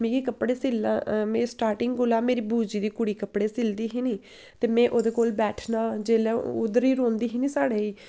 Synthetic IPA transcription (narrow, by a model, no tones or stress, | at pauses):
mẽːɡiːkəpɽeːsɪlaːmẽːsʈaːɾʈɪŋɡɡʊlaːmeːɾiːbuːd͡ʒiːd̪iːkʊɽiːkəpɽeːsɪld̪iːɦiːniː | t̪eːmɛ̃ːʔoːd̪eːkoːlbɛːʈʰnãːd͡ʒeːlãːʊd̪əɾiːɾõːnd̪iːɦiːnĩːsaːɽeːiː